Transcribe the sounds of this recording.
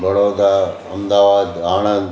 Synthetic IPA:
bɐɽoːd̪aɐmd̪aːʋaːd̪aːnə̃nd̪

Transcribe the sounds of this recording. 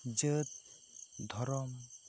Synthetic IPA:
d͡ʒət̪̚ | d̪ʱɔɾɔm

